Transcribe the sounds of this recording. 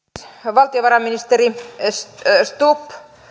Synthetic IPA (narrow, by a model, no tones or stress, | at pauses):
ʋɑlt̪ioʋɑrɑminist̪erisst̪upː